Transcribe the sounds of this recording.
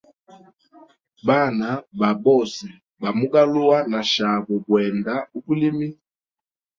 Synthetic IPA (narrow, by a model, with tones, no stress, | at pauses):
ba˦˨na˨ba˨bɔ˦˨si˨ | ba˨mu˦ɡa˦lu˦a˦na˨ʃa˨βɔ˨bwɛ˨nda˦u˦pu˦li˦mi˦